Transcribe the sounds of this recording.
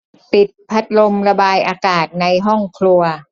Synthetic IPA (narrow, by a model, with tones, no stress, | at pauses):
pi˨˩t̪̚pʰa˦˥t̪̚lo˧mɾa˧baː˧jʔaː˧kaː˨˩t̪̚na˧jɦɔ˥˩ŋkʰlu˧ɐ